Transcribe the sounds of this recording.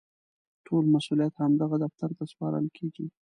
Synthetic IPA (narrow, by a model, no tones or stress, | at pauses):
ʈʰolmasulijat̪hamd̪aɣad̪aft̪aɾt̪aspɑɾə̰lkʰeɡi